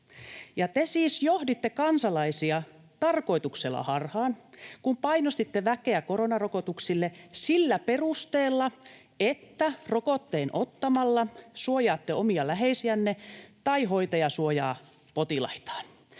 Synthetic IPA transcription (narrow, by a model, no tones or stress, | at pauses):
jɑt̪esiːsjohdit̪ːekɑnsɑlɑisiɑ | t̪ɑrko̞it̪ukselːɑ̰hɑrhɑːnkumpɑinost̪it̪ːeʋækeækoɾonɑrokot̪uksilːesilːæperust̪eːlːɑ | et̪ːærokot̪ːeːnʔot̪ːɑmɑlːɑsuojɑːt̪ːeomiɑlæɦeisiænːet̪ɑiɦoit̪ɑjɑsuojɑ̰ː | pot̪ilɑ̰it̪ɑ̥ːn